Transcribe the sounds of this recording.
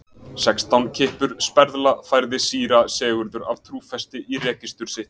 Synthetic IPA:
sɛkst̪awncʰɪhpʏɾ̥spɛɾðlafajɾðɪsiːɾasɛːɣʏɾðʏɾa̰vt̪ʰɾuːfɛst̪ɪʔiɾɛːcɪst̪ʏɾ̥sɪht̪

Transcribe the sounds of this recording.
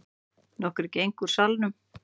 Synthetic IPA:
nɔhkʏɾcejŋkuɾ̥salnʏm

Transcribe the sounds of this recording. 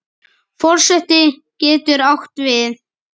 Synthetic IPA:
fɔr̥sɛht̪ɪcɛːt̪ʏɾawht̪vɪð

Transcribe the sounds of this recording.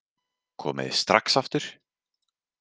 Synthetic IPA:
kʰɔ̰ːmɪ̰ðɪ̰st̪ɾaksaft̪ʏɾ̥

